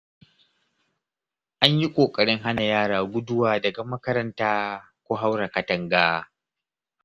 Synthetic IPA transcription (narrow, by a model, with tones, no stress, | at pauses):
ʔa˦ɲji˦kʷʼoː˨kʼɐ˨ɽɪ˦ŋɦa˦na˨jaː˦ɽaː˨ɡʷʊ˦dʊ˦waː˨dɐ˨ɡa˨mɐ˦kɐ˦ɾɐ˦ntaː˦ | kʷoː˦ɦa˦wɽa˨kɐ˨tɐ˨ŋɡaː˦